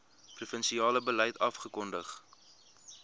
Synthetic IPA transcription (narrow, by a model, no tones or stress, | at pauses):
prufənsiɑːləbəlɛjtʰɐfχəkɔndəχ